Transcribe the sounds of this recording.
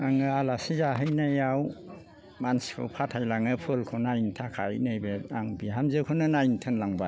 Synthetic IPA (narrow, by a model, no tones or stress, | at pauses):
aŋɯalasizaɦɯjnajaw | manskʰɯ̰pʰatʰajlaŋɯpʰɯlkʰɯnajntʰakʰajnajbeaŋbihamzɯkʰɯnɯnajntʰɯnlaŋba